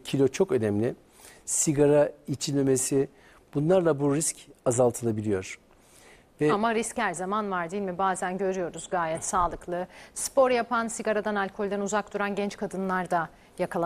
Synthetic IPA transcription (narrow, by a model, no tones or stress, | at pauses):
cʰilʲo̞t͡ʃʰo̞kø̞nɛmlʲɪ | siɡaɾait͡ʃʰinemesi | b̥unlˠaɾlˠabuɾiscʰazalˠt̪ʰɯlˠabilʲijoɾ̥ | vɛamaɾischæɾzamanvaɾd̪ijilʲmibaːzænɟø̞ɾyjo̞ɾuzɡaːjɛt̪saːlˠɯklˠɯspo̞ɾjapʰansiɡaɾad̪analʲkʰo̞lʲd̪ænuzak̚d̪uɾanɟɛnt͡ʃkʰad̪ɯnlˠaɾd̪a | jakʰalˠa